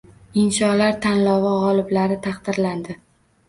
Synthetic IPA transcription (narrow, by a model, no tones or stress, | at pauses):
ɪnʃɒlaɾt̪ʰanlɒvaʁɒlˠɪblaɾɪt̪ʰɑqd̪̥ɪɾland̪ɪ